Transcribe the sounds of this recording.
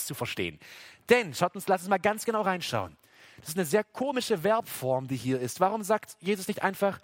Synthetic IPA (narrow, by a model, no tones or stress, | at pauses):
t͡sufɛɐʃtḛːənd̥ɛnʃaʊtʊnslasʊnsmaːlɡant͡sɡ̥ənaʊʁaɪnʃa̰ʊən | d̥ḁsɪstanəzeːɐkʰoːmɪʃəvɛɐpfɔɐmdiːhiːɐɪstv̥aʁʊmzaːktjeːzʊsnɪçtʔa̰ɪnfaχ